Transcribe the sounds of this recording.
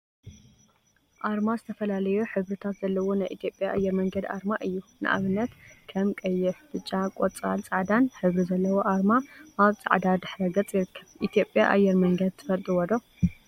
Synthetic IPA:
ʔaɾmazɨt̪ʰɐfɐlalɐjuħɨβɾɨt̪ʰat̪z̥ɐlːɐwo̞najʔit̪ʰijo̞pʼjaʔajːɛɾmɐŋɡɐd̪ʔa̰ɾmaʔɨjːunɨ̰ʔa̰βɨnːɐt̪kʰɐmkʼɐjːɪfbɨt͡ʃʼːakʼot͡sʼa̰lt͡sʼaʕd̪anħɨβɾizɐlːɐwoʔaɾmaʔaβt͡sʼa̰ʕd̪ad̪ɨħɾɐɡɐt͡sʼjɪɾɨkʰːɐβʔit̪ʰijo̞pʼja̰ʔa̰jːɛɾmɐŋɡɐd̪̚t̪ʰɨfɐlt̪ʼiwɔd̪o

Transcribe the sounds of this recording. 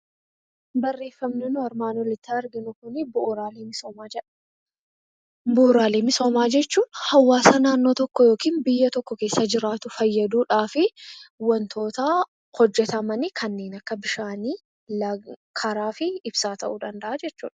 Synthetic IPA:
bɐrːe̞ːfːɐmnɪnʊɐɾmaːnɔlɪt̪ːɪɐɾɡɪnʊkʊnɪbʊʔɾaːleːmɪo | bʊʊɾaːleːmɪso̞ːmaːd͡ʒɛt͡ʃːuːnhɐwːaːsaːnaːnːoːt̪ɔkːɔjo̞ːkiːnbɪjːɐt̪ɔkːɔke̞ːsːɐd͡ʒɪɾaːt̪ʊfɐjːɐd̪uːᶑaːfɪwɐnt̪ʰo̞ːt̪ɐ | hɔd͡ʒːɛt̪ɐmɐnɪkʰɐnːe̞ːnɐkːɐbɪʃaːniː | lɐkʰɐɾaːfɪɪbsaːt̪ɐ̰ʔuːᶑ̪ɐnd̪ɐʔad͡ʒɛt͡ʃːuːᶑɐ̥

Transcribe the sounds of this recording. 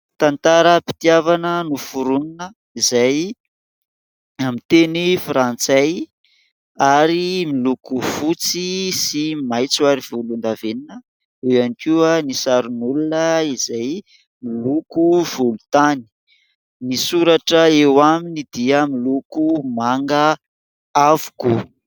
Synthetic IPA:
t̪ant̪aɾəpi̥t̪iavanənufuɾuninə | izaj | amint̪enifɾant͡saj | aɾimilukufut͡sisimajt͡suaɾiv̥ulund̪aveninə | eanikiuənisaɾunulunəizaj | milukuvulut̪ani̥ | nisuɾaʈ͡ʂəewaminid̪iəmilukumaŋɡə | avu̥ku

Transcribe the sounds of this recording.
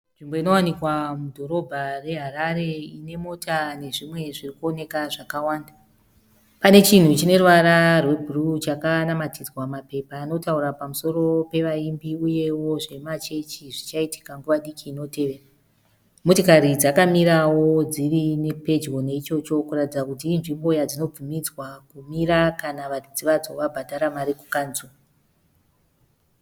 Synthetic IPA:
nʐimbo̞ino̞wanikwamudʱo̞ɾo̞bʱare̞ɦaɾaɾe̞ine̞mo̞tʰane̞ʐimwe̞ʐirikuo̞ne̞kaʐakawaːnda | pane̞t͡ʃin̤ut͡ʃine̞ruʋaɾarwe̞bʱurut͡ʃakanamatid͡zwamape̞paːno̞tauɾapamuso̞ɾo̞pe̞ʋaimbiuje̞wo̞ʐe̞mat͡ʃe̞t͡ʃiʐit͡ʃaiti̥kaŋɡuʋaɗikiːno̞te̞ʋe̞ra | mutikaɾid͡zakamiɾawo̞d͡zirinepe̞d͡ʒwo̞ne̞it͡ʃo̞t͡ʃo̞kuratid͡zakutiːɱʐimbo̞jad͡zino̞b͡vumid͡zwakumiɾakanaʋadid͡ziʋad͡zo̞ʋabʱadʱaɾamaɾiku̥kanzulu

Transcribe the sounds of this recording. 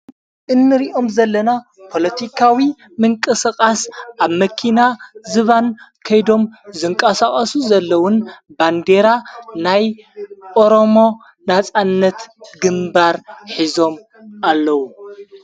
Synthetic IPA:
ʔɨnːɨɾiʔo̞mzɐlːɐna | pʰo̞lɐt̪ʰikʰawi | mɨŋkʼɨsɨχʼasʔaβmɐkʰinazɨβankʰɐjd̪o̞mzɨŋkʼɐsaχʼɐsuzɐlːɐwʊnband̪e̞ɾanajʔo̞ɾo̞mo̞ | nat͡sʼanːɐt̪ɡɨmbaɾħizo̞m | alːɐwu

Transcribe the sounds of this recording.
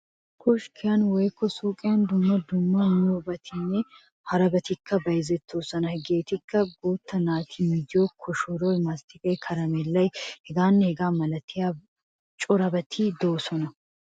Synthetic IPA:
kʰɔʃkʰɪjanwɔjkːɔsoːkʼɪjand̪ʊmːɐd̪ʊmːɐnoːbɐt̪ʰɪnːɛ | hɐɾɐbɐt̪ɪkʰːɐbɐjzɛt̪ʰːoːsɐnɐhɛɡeːt̪ɪkːɐɡoːt̪ːɐnaːt̪ʰimid̪ɪjoːkʰɔʃɔɾojmast̪ɪkʼɛjkʰɐɾɐmɛlːɐjhɛɡaːnːɛhɛɡaːmɐlɐt̪ʰːɪjaː | t͡ʃʼɔɾɐbɐt̪ʰiːd̪oːsɔnɐ

